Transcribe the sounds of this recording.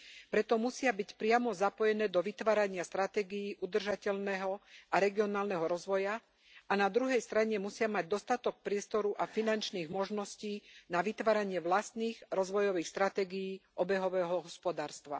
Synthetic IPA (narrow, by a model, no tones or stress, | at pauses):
pɾɛt̪ɔmusɪabicpɾɪamɔzapɔjɛnɛːd̪ɔʋit̪ʋaːɾaɲɪast̪ɾat̪ɛːɡijiːʔud̪r̩ʒacɛʎnɛɦɔaɾɛɡiɔnaːlnɛɦɔɾɔzʋɔja | anad̪ɾuɦɛjst̪ɾaɲɛmusɪamaɟ̚d̪ɔst̪at̪ɔk̚pɾɪɛst̪ɔɾuʔafinant͡ʃniːɣmɔʒnɔsciːnaʋit̪ʋaːɾaɲɪɛʋlast̪niːɣɾɔzʋɔjɔʋiːxst̪ɾat̪ɛːɡijiːʔɔbɛɦɔʋɛːɦɔɦɔspɔd̪aːɾst̪ʋa̰